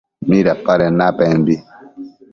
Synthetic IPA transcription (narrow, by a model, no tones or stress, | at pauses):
miɾapaɾɛnapɛmbi